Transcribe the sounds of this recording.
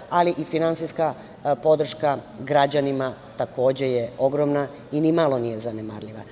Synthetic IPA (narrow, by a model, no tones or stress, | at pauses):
aliʔifinantsiska | po̞d̪r̩ʃka | ɡɾad͡ʑanima | t̪ako̞ːd͡ʑejeo̞ɡɾomna | inimalˠo̞nije̞zanemaɾʎiʋa̰